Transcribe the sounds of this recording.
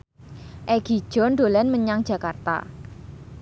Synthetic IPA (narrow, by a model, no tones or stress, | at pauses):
ʔɛɡ̥i̤̥ʒ̥ɔ̤nɖolɛnməɲaŋ̥ʒ̥a̤kart̪a̰